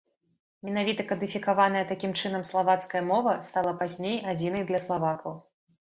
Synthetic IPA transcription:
mʲɛnavʲit̪ɐkɐd̪ɨfʲikavanɐjɐt̪akʲimt͡ʂɨn̪ɐmslˠavat̪skɐjɐmɔvɐst̪alˠɐpazʲnʲejad͡zʲinɐjd̪lʲɐslˠavakɐw

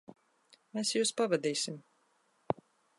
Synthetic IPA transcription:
mesjuːspavad̪iːsim

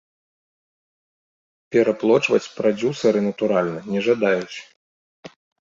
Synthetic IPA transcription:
pʲɛɾaplˠɔt͡ʂvɐt͡sʲpɾad͡zʲusɐɾɨnɐt̪uɾalʲnɐnʲɛʐad̪ajut͡sʲ

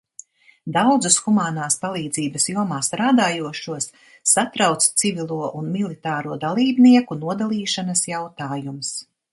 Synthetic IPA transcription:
d̪awd̪zusxumaːnaːspalˠiːd̪ziːbɐsjuɔmaːst̪ɾaːd̪aːjuɔʃuɔsː | at̪ɾawt̪st̪sivilˠuɔʔunmilˠit̪aːɾuɔd̪alˠiːbniɛkunuɔd̪alˠiːʃanɐsjawt̪aːjums

